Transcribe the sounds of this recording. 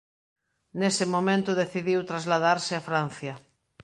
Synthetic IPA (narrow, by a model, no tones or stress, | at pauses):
nesɪmomẽnt̪ʊðeθiðiwt̪ɾazlaðaɾsɪafɾan̟θjɐ